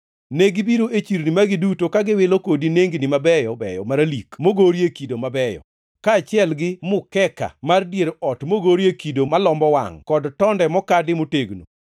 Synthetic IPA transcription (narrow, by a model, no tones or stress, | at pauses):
neɡɪbiɾoʔet͡ʃiɾnimaɡɪdutokaɡɪwɪlokodineŋɡnɪmabɛjɔbɛ̰jɔ̰maɾalikmoɡoɾjekidomabɛjɔ̰ | kaːt͡ʃɪɛlɡɪmʊkɛka̰mardjeɾɔtmoɡoɾjekidomalɔmbɔwa̰ŋkɔdtɔndɛmɔkadɪmoteɡno̰